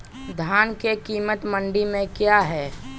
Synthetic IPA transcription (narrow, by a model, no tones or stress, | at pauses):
d̪ʱaːnkekiːmət̪mə̃ɳɖimẽkjaɦɛː